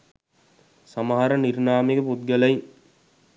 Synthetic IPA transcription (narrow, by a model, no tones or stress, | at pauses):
samaɦaɾənirnaːmekəput̪̚ɡəlai